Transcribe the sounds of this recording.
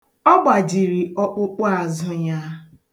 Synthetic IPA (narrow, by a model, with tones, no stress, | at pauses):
ɔ˦ɡ͡ba˨d͡ʒi˨ɾi˨ʔɔ˦k͡pʊ˦k͡pʊ˦a˨zʊ˦ɲa˦